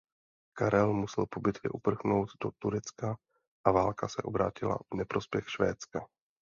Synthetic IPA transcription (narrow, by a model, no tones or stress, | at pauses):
kaɾɛlmusɛlpo̞bɪt̪vɪ̰ʔupr̩xnowt̪dot̪uɾɛt͡ska | ʔavaːlkasɛʔo̞bɾa̰ːcɪla̰vnɛpɾo̞spjɛxʃvɛːt͡ska